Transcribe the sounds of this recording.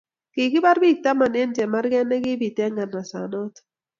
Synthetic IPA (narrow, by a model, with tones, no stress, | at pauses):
ki˨kɪ˦ba˦ɾbi˦˨k̚ta˦ma˨ne˦nd͡ʒɛ˨ma˦rɡɛ˦nɛ˦ɡɪ˦bi˨tɛ˦ŋɡa˨na˨sa˨nɔ˦t